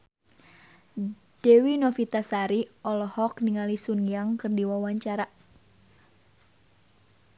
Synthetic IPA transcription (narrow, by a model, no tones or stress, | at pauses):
d̥ɛwinɔfit̪asaɾiɔlɔhɔkniŋalisunjaŋkɨrdiwawaɲt͡ʃaɾa